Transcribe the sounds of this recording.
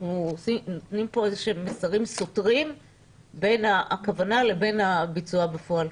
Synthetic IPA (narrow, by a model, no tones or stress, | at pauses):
ausinotnimpo̞ezeʃemːesaʁimso̞tʁim | be̞naʔkavanale̞be̞nabit͡suabefo̞al